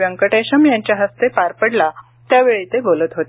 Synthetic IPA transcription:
ʋjə̃ŋkəʈeɕəmjaɲt͡ɕjaɦəst̪epaɾpəɽla | t̪jaʋeɭit̪ebolət̪ɦot̪e

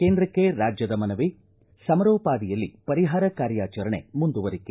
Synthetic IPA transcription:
keːnd̪ɾɐkːe̞ɾaːd͡ʒjɐd̪ɐmɐnɐʋi | sɐmɐɾoːpaːd̪ijɐlːḭpɐɾiɦaːɾɐkaːɾjaːt͡ʃɐɾɐɳemund̪uʋɐɾikːe

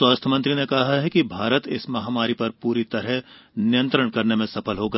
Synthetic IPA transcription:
swaːst̪ʰəmɐ̃nt̪ɾinekɐɦaɦɛkibʱaːɾət̪ɪsmɐɦaːmaːɾipɐɾpuːɾit̪ɐɾəɦnɪjə̃nt̪ɾəɽ̃kɐɾnemẽsɐpʰəlɦoːɡaː

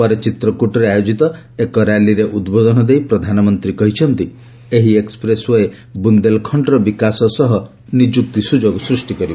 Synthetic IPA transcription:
ɔɾet͡ʃit̪ɾɔkuʈɔɾeajod͡ʒit̪ɔ | ekɔɾaliɾeʔud̪bod̪ɔnɔd̪ejpɾɔd̪ʱanɔmɔnt̪ɾikɔɦit͡ʃʰɔnt̪i | eɦiekspɾesɔe | bund̪elkʰɔɳɖɾɔbikasɔsɔɦɔ | nid͡ʒuk̚t̪isud͡ʒoɡɔsɾusʈikɔɾib

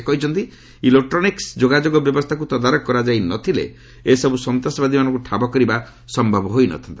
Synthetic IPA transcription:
kɔɦit͡ʃʰɔnt̪i | ilek̚ʈɾɔniksd͡ʒoɡad͡ʒoɡɔbjɔbɔst̪ʰakut̪ɔd̪aɾɔkkːɔɾad͡ʒajnɔt̪ʰilḛ | esɔbusɔnt̪asɔbad̪ʱimanɔ̃ŋkuʈʰabɔkɔɾiba | sɔmbʱabɔɦojnɔ̰t̪ʰɔnt̪i

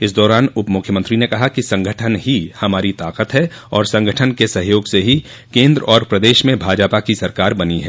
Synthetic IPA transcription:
ɪs̬d̪ɔːɾaːnʊpmʊkʰjəmə̃nt̪ɾinekɐɦakisɐ̃ŋɡʱəʈʰənɦihɐmaːɾit̪aːqət̪ɦɛ | ɔːɾsɐ̃ŋɡʱəʈʰənkesɐɦjoːɡseɦi | kẽːnd̪ɾɔːɾpɾɐd̪eːʃmẽbʱaːd͡ʒapakisɐɾkaːɾbɐniɦɛ̰ː

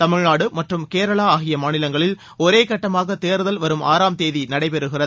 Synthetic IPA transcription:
t̪ɐmɪɻnaːɽɯmɐʈrɯmkeːɾɐɭaːaːɣɪjɐmaːnɪlɐŋɡɐɭɪl | ɔɾeːkɐʈːɐmaːɣɐt̪eːɾɯðɐlʋɐɾɯmʔa̰ːɾaːmt̪eːðinɐɽɐɪpɛɾɯɣɪrɐðɯ

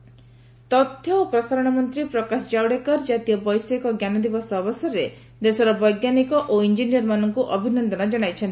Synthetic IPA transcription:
t̪ɔt̪ʰːjɔopɾɔsaɾɔɽ̃ɔmɔnt̪ɾipɾɔkasɔd͡ʒawɽekɔɾd͡ʒat̪ijɔbɔjsekɔɡjanɔd̪ibɔsɔbɔsɔɾe | d̪esɔɾɔbɔjɡjanikɔʔoind͡ʒinijɔɾmanɔŋkuʔɔbʱinɔnd̪ɔɽ̃ɔd͡ʒɔɽ̃ajt͡ʃʰɔnt̪i

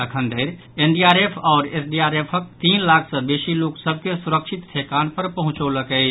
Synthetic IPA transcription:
əkʰə̃nd̪eːɾ | eːnɖiaːɾeːpʰɔːɾḛːsɖiaːɾeːpʰək̚t̪iːnlaːkʰsə̃beːʃiloːksəb̚ʱkesʊɾəkʃɪt̪t̪ʰeːkaːnpəɾpəɦʊ̃t͡ʃoləkə

